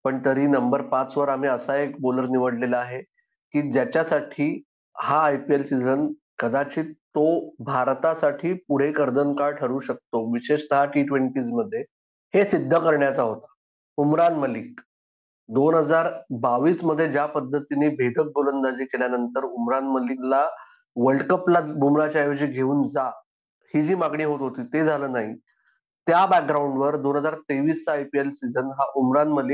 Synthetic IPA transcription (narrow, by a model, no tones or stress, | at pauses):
pəɳt̪əɾiːnəmbəɾpat͡sʋəɾam̤iːəsaekboləɾniʋəɽleləaɦe | kiːd͡ʑjat͡ɕjasaʈʰiː | haːjpielsid͡zən | kəd̪at͡ɕiːt̪obʱaɾt̪asaʈʰiːpuɽ̤ekəɾd̪ənkaɭʈʰəɾuːɕək̚t̪oʋiɕeʂt̪əɦaʈiʈʋeɳʈiːd͡zməd̪ʱːje | hesid̪ʱːəkəɾɳjat͡saɦot̪ḁ | umɾanməliːk̚ | d̪onɦəd͡zaɾbaʋiːsməd̪ʱːjed͡ʑjapəd̪ʱːət̪inebʱed̪ʱək̚bolənd̪ad͡ʑiːkeljanənt̪əɾumɾanməlikla | ʋəɭɖkəplabʱumɾat͡ɕajod͡ʑiːɡʱeuːnd͡za | hiːd͡ʑiːmaɡɳ̃iːɦot̪ɦot̪iːt̪ed͡zʱaləːnaɦi | t̪jabæk̚ɡɾauɳɖʋəɾd̪onɦəd͡zaɾt̪eʋiːst͡saːjpielsid͡zənɦaʔumɾanməlik̚